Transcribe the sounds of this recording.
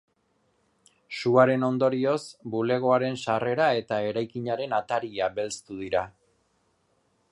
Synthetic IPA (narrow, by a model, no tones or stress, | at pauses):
suaɾe̞no̞nd̪o̞ɾio̞sbule̞ɣ̞o̞aɾe̞nsare̞ɾae̞t̪ae̞ɾajkiɲaɾe̞nat̪aɾiabe̞lst̪uð̞iɾa